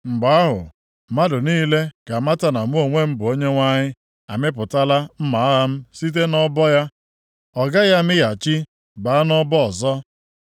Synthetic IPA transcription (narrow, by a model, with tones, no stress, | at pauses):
ŋ͡m̩˨ɡ͡ba˨˦ɦʊ̰˨ | ma˦dʊ˨niː˦le˦ka˨ma˦ta˨na˨m̩˦o˨ŋʷe˦m̩˦bʊ˨o˦ɲe˦ŋʷa˦ɲɪ˦ | a˨mɪ˦p̬ʊ˨ta˦la˦m̩˦ma˨a˦a˦m̩˦si˦t̬e˦nɔ˦bɔ˦ja˦ | ɔ˨ɡa˦ja˦mɪ˦ja˨t͡ʃi˦ | ba˨a˦nɔ˦bɔ˦ɔ˨zɔ˦